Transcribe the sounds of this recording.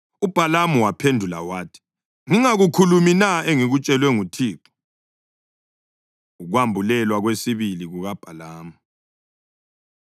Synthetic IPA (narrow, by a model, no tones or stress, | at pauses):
ub̥ʱalamuwapʰendʱula̰waːtʰi̥ | ŋiŋaɣukʰuluminaeŋiɣut͡ʃʼɛlwɛŋutʰiːǃɔ̥ | uɣwambʱulɛlwaɣwesiβiliɣuɣab̥ʱalaːmu